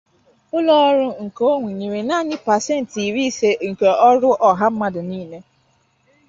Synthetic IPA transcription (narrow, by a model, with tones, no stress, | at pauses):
ʊ˦lɔ˦ɔ˦ɾʊ˦ŋ̩˨ko˦ŋʷi˨ɲi˨ɾe˨na˦˨ɲɪ˦pa˨se˦n̩˨ti˨ɾi˦se˦ŋ̩˨ke˨ɔ˦ɾʊ˦ʔɔ˨ɦa˦m̩˦ma˦dʊ˨niː˦ne˦